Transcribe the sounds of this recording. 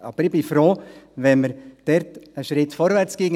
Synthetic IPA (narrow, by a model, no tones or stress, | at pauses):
ɑ̰bəɾɪbɪfɾoːʋɛnməɾd̥ɛɾtəʃɾɪtfɔɾʋæɾt͡sɡ̥eːŋ